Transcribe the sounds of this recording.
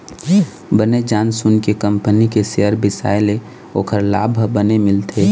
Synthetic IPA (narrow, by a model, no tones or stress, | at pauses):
bəned͡ʒaːnsʊnkekəmpənikeseɦəɾbɪsa̰ːɪle | oːkʰəɾla̰ːbʱbənemɪlt̪ʰe